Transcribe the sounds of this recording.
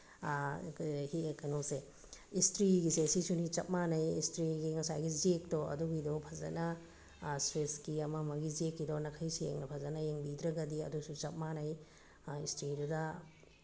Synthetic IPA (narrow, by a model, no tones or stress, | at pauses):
hikɐnose | istɾiɡisesisunit͡ʃɐp̚manɐjistɾiɡiŋɐsajɡiziek̚toɐ̰duɡidopʰɐzɐ̰nɐ | sweskiɐmɐmɐɡizekːidonɐkʰɐjsijḛŋnɐpʰɐzɐnɐjeŋbidɾɐɡɐdiɐ̰dusut͡ʃɐp̚manɐj | istɾidudɐ